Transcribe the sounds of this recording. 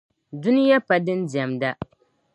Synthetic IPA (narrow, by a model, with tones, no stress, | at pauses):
dʊ˦nɪ˦ja˦pa˨dɨ˦ndi˨a˨mda˦